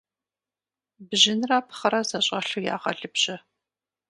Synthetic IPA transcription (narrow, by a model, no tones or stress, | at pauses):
bʑɪnraːpʰχɐɾɐzɐɕʼɐɬuja̰ːʁɐɮɨbɕʼɪ